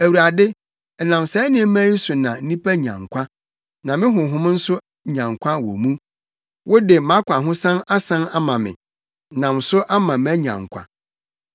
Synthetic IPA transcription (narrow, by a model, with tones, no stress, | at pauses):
æ˨wu˨a˨dɪ˦ | ɛ˨nã˨msɛ˦nɪ̃˦mæ̃˦n̩˦sʊ˨nã˨n̩˦nĩ˦pʰæ˦ɲã̰˨ŋkʷʰa˦ | nã˨mɪ̃˦ɦʊ̃˨ɦʊ̃˦m˦n̩˦sʊ˦ | ɲã˨ŋkʷʰa˦wo̰˨mũ˦ | wʔʊ˦dɪ˨mã˦kʷʰã˨ɦʊ̃˦sã˦na˦sã˦na˦mã˨mɪ̰̃˨˦ | nã˨m˨sʊ˦ʔa˦mã˨mæ˦ɲã̰˨ŋkʷʰa̰˨